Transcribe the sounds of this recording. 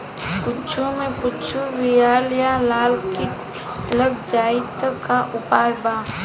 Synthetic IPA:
kʊt͡ʃʰumẽkʊt͡ʃʰuwijaːljalaːlki | ləɡd͡ʒaːit̪kaʔʊpaːjbaː

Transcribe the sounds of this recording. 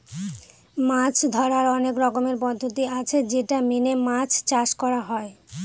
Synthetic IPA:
mãt͡ɕʰd̪ʱɔɾaɾɔnekɾɔkomeɾpɔd̪ʱːot̪iat͡ɕʰed͡ʑeʈaminemãt͡ɕʰt͡ɕaʃkɔɾaɦɔe

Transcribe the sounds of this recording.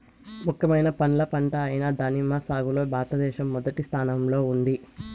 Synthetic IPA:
mukʰːɐmɐjnɐpɐnlɐpɐɳʈɐːjinɐd̪ɐnimɐsaːɡuloːbʱaːɾt̪ɐd̪ɛːʃɐmːɔd̪ɐʈist̪ʰaːnɐmlo̞ːund̪i

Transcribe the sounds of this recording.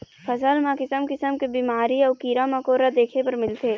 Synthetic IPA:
pʰɐzəlmãkɪsəmkɪsəmkebiːmaːɾiɔːkiːɾamãkoːɾad̪eːkʰepɐɾmɪlt̪ʰeː

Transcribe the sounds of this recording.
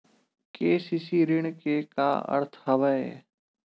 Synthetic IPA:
keːsisiːɾɪɳ̃keka̰ːə̰ɾt̪ʰɦəʋəeː

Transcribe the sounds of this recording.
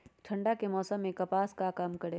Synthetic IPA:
ʈʰɐ̃ɳɖakemɔːsəmːẽkɐpaːskakaːmkɐɽeː

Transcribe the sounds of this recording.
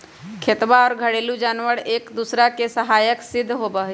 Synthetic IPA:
kʰet̪ʋaɔːɾɡʱəɽelud͡ʒaːnʋəɾeːkd̪usɾakesəɦaːjəksɪd̪ʱːɦobəɦ

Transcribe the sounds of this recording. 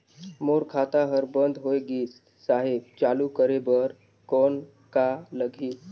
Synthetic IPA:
moɾkʰat̪aɦəɾbənd̪ʱɦoeɡiːs | saɦebt͡ʃaːlukəɾebəɾ | kɔn | kaləɡʱiːs

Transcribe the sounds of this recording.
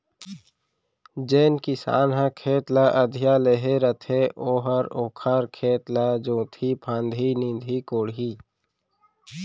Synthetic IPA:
d͡ʒeːnkisa̰ːnɦãkʰeːt̪laːʔəd̪ʱjaːleɦeɾət̪ʰeʔoːɦəɾoːkʰaɾkʰeːt̪laːd͡ʒõːt̪ʰipʰãːnd̪ʱinĩnd̪ʱikoːɽɦiː

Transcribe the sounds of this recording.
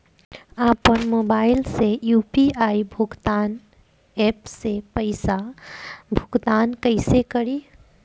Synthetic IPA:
apənmobaɪlsejupiaibʱuɡt̪an | epsepəɪsa | bʱuɡt̪ankəɪsekəɾi

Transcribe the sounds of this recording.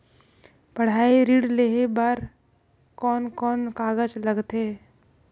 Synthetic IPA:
pəɽ̤aːiɾiːɽleɦebəɾ | kɔːnkɔːnkaːɡəd͡ʒləɡt̪eː

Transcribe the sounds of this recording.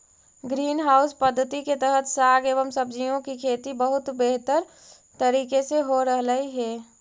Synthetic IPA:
ɡɾiːnɦaːʊspəd̪ʱːət̪iket̪əɦət̪ʰsaɡeːbəmsəbd͡ʒijõkikʰeːt̪ibəɦʊt̪beɦt̪əɾ | t̪əɾiːkeseɦoɾəɦləiɦɛː

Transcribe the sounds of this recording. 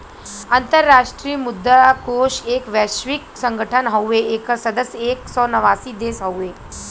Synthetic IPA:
ənt̪əɾːaʂʈɾiːmud̪ːakoʃekʋɛɕʋiksəŋɡʱəʈʰənɦəwʋeekəsəd̪əseksɔnəʋasiːd̪eːsɦəwʋe

